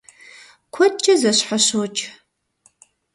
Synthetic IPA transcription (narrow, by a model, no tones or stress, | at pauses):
kʷʰɔt̚t͡ʃʼɐzɐɕħaɕoːt͡ʃʼ